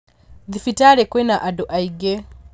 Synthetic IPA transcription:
d̪ifitaɺɛkwɛnaʔadɔʔaiɡɛ

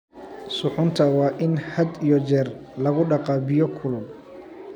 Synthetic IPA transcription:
sʊħʊnt̪ʰɐwɑːʔɪnhɐd̪ijɔt͡ʃɛːrlɐɣʊɖɑqɑːbɪjɔkʰʊlʊ

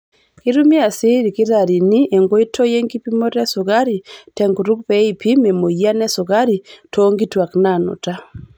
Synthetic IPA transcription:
kiɾumiasiɾikiɾaɾinieŋɡoitʰɔjeŋɡipimoɾɛsuɣaɾitɛŋɡuɾuk̚pɛipimɛmojanɛsuɣaɾitʰoŋɡitwaknanṵta

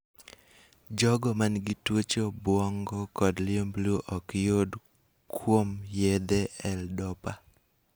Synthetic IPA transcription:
d͡ʒɔɡɔmanɡitwot͡ʃobwɔŋɡɔkɔdlembluʔɔkjod | kʰwomjed̪eɛldɔpa

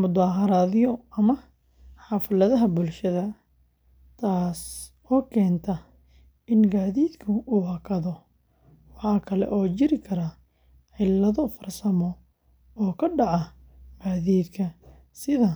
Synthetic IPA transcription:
mʊd̪aːɦɐɾaːðɪjɔɐmɐ | ħɑfɐlɐðɐɦɐbʊlʃɐðɐ | t̪ʰaːs | ɔːkʰɛːnt̪ʰɐ | ɪnɡaːðiːd̪kʰʊʔuːhɑkʰɐðɔ | wɑħɑːkʰɐlɛ̰ʔɔːt͡ʃɪɾɪkʰɐɾɐ | ʕɛjlɐðɔfɐrsɐmɔ | ɔːkʰɐɖɑʕɑ | ɡ̥aːðiːd̪kʰɐ | sɪðɐ

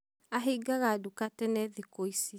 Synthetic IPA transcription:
aɦiːɡaɣaːdukatɛnɛðikoisi

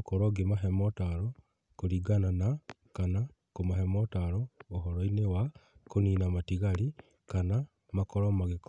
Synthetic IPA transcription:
koɾoɡemaɦemotaɾo | koɾiɡanana | kana | komahemotaɾoːɦoɾoinewakoniːnamatiɣaɾi | kana | makoɾomaɣek

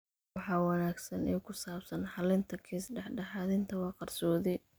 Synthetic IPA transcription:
ɑħɑːwɑnaːɡsɐniːkʰʊsaːbsɐnħɑlɪnt̪ʰɐkʰiːsɖɛħɖɛħɑːðɪnt̪ʰɐwɑːqɑrsɔːðɪ

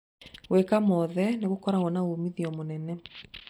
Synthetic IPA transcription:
ɣwekamɔðɛneɣokɔɾaɣɔnaɣomiðiɔmonɛnɛ

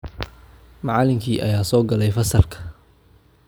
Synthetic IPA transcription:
mɑʕɑlɪmkʰiːʔɐ̰jaːsɔːɡɐlɛjfɐsɐrkʰɐ̥

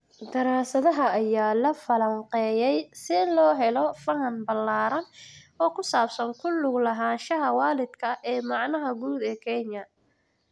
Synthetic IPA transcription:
d̪ɐɾaːsɐðɐɦɐːjaːlɐfɐlɐɴqɛːjɛjsɪlɔːɦɛlɔfɐɦɐnbɐlːaːɾɐnɔːkʰʊsaːbsɐŋkʰʊlʊɡlɐɦaːnʃɐɦɐwaːlɪd̪kʰɐʔɛːmɑʕnɐɦɐɡuːd̪ɛːkʰɛɲjɐ

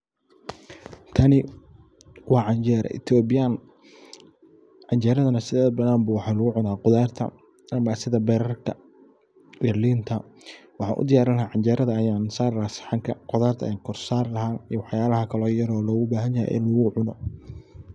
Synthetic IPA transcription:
t̪ʰɐnɪ | wɑːʕɑɲt͡ʃɛːɾɛ̰ʔɪ̰t̪ʰɔːbɪjaːn | ʕɑɲt͡ʃɛːɾɐðɐnɐsɪðɛːðbɐnaːmbuːwɑħɑːlʊɣʊʕʊnaːqʊðaːrt̪ʰɐ̰ | ʔɐmaːsɪðɐbɛɾɐrk̪ʰɐ̰ | bɛrliːnt̪ʰɐwɑħɑːnʔʊ̰d̪ɪjaːɾɪnlɐɦaːʕɑnt͡ʃɛːɾɐðɐːjaːnsaːɾlasɪ̥ħɑŋkʰɐqʊðaːrt̪ʰɐ̰ŋkʰɔrsaːrlɐɦaːnijɔwɑħjaːlɐɦɐkʰɐlɔːjɐɾɔːlɔːɣʊbaːɦɐnjɐhɛ̰jʔɪ̰nlɐɣʊʕʊnɔ

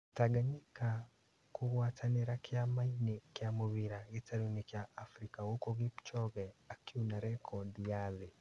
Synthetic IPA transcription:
taɡaɲika | kuɣwaːtʰaneɾakjamainekjamoβiɾaɣetaɾonikjaʔːfɾikawokoɣept͡ʃɔɣɛakunaɾɛkʰɔdijale

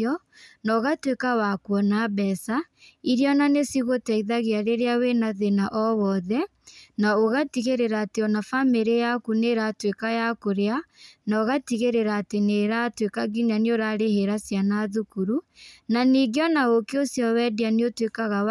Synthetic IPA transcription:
ɔ | nɔɣatwekawakwɔnabɛsa | iɾjɔnanesiɣotɛiðaɣeaɾeɾeawenaðenaʔɔwɔðɛ | naoɣatiɣeɾeɾaːteɔnafameɾejakuneɾatwekajakoɾeanaoɣatiɣeɾeɾaːteneɾatwekaɡiɲaneoɾaɾeheɾasjanaðukuɾunaniɡeɔnaɣokeosjɔwɛdianeotwekaɣaw

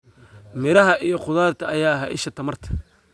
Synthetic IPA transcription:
mɪɾɐɦɐʔijɔqʊðaːrt̪ʰɐɐjaːɦɐʔɪ̰ʃɐt̪ʰɐmɐrt̪ʰɐ̥

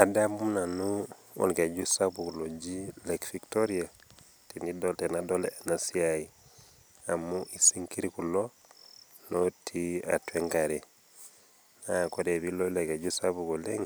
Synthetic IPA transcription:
adamumnanu | o̰nked͡ʒusabukulod͡ʒilekfiktoɾia | tinidotenadoleanasiai | amuʔisiŋkiɾikulo | notʰia̰tweŋɡaɾe | nakodebilolekeɟusabukoleŋ

